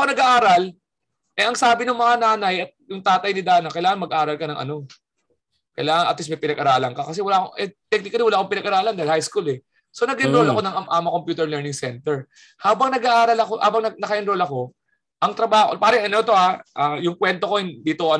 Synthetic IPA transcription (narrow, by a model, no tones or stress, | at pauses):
konɐɡaʔaːɾɐl | ʔɐʔɐŋsaːbɪnʊŋmɐŋanaːnɐjɐt̪̚jʊŋt̪aːt̪ɐjnɪd̪aːnɐkɐjlaːŋɐŋmɐɡʔaːɾɐlkɐnɐŋʔɐ̰no̞ | kɐjlaːŋɐnʔɐ̰t̪lismɐjpɪnɐɡʔɐɾaːlɐŋkɐkɐs̬ɛwɐlaːkoʔɛt̪ɛk̚nɪkɐlɪwɐlaːʔkoŋpɪnɐɡʔɐɾaːlɐnd̪ɐlhajskulɛ | so̞nɐɡɪnɾolɐko̞nɐŋɐmʔaːmɐkompjuːt̪ɛɹlɛɹnɪŋsɛnt̪ɛɹ | haːbɐŋnɐɡaʔaːɾɐlɐkoha̰ːbɐŋnɐɡ̚nɐkɐʔɪnɾolɐko̞ | ʔɐŋt̪ɾɐbaːho̰paːɾɐŋʔɐnot̪o̞ʔaʔaːjʊŋkwɛnt̪o̞ko̞d̪iːt̪oɐ